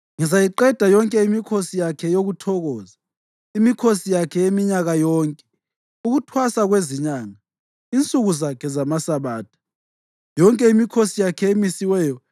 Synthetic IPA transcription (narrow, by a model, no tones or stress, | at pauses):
ŋizajiǃɛd̥ʱajɔŋkʼɛimikʰosijakʰɛjoɣutʰɔɣɔːza | imikʰosijakʰɛemiɲaɣajɔːŋkʼɛ̥ | uɣutʰwasaɣweziɲaːŋa | int͡sʼuɣuzakʰɛzamasaβaːt̚ʰu̥ | jɔŋkʼɛimikʰosijakʰɛemisiwɛːjɔ